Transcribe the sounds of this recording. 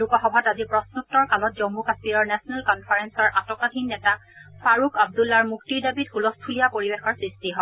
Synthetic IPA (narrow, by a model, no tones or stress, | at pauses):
lukɔxɔbʱatazipɹɔsnutːɔɹkalɔtzɔmːukaspiɹɔɹnɛsɔnɛlkɔnpʰaɹɛnsɔɹʔatɔkadʱinːɛtafaɹukʰab̚dulːaɹmuktiɹdabitkulɔstʰulijapoɹibexɔɹsɹistiɦɔ